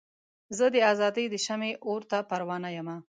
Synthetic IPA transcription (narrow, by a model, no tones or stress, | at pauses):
zəd̪əazɑd̪əjd̪əʃameʔoɾt̪apaɾwɑnajama